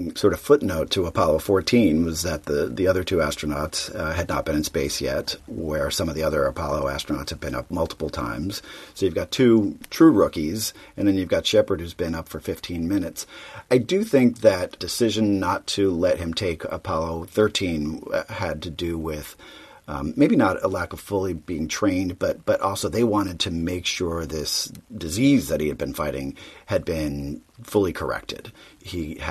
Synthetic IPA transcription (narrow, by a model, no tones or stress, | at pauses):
sɔɹɾʌv̥fʊtⁿnoʊtʰəəpʰɑlˠoʊfɔɹtʰĩnwʌzðɨt̪̚ðɨðiʌðə˞tʰʉæstɹ̥ɨnɑtsɨdⁿnə̰t̚b̥ɨ̃nɨ̃nspeɪsjɛ̰t̚wə˞sʌ̃mʌvðiʌðə˞əpʰɑlˠoʊæ̰stɹənɑ̰tshɨd̚bɨ̃nʌ̰p̚mʌlˠtʰə̥pl̩ˠtʰã̰ɪ̃mz̥soʊjʉvɡɑtʰʉtʰɹ̥ʉɹʊkizɨ̃nðɨ̃njʉvɡɑtʃɛpə˞d̚hʉzbɨ̃nʌpfə˞fɪftʰĩnmɪ̃nɨtsaɪdɨθɪ̃ŋk̚ðɨtd̥ɨsɪʒɨ̃nːətʰɨlɛt̚hɨ̃mtʰeɪkʰə̰pʰɑlˠoʊθɜ˞tʰĩnɨd̚tʰɨdɨwɪð̥ | meɪbinəɾəlækʌv̥fʊlˠibiɪ̃ŋtʰɹ̥ẽɪ̃nb̥ʌt̚b̥ʌɾʔɔlˠsoʊðeɪwɑ̃ɾ̃ɨd̚tʰɨmeɪkʃʊɹðɪsd̥ɨzizðɨt̚hiɨd̚bɨ̃nfaɪɾɪ̰̃ŋɨd̚bɪ̃nfʊlˠikʰə̰˞ɛ̰k̚tʰɨ̰d̥i